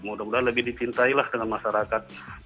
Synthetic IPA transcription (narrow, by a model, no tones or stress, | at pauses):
mudamudanləbɪhdit͡ʃint̪ailahdəŋanmaʃaɾakat̪̚